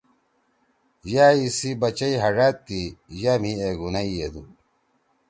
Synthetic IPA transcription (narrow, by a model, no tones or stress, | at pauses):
jaːisibɐt͡ɕɐiɦɐʐaːt̪ːijaːmieɡunɐied̪u